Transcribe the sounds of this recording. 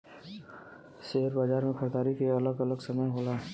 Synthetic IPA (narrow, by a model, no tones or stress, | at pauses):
ʃeːəɾbaːd͡ʒaːɾmẽkʰəɾd̪aːɾikeɐləɡɐləɡsɐməjɦoːlaː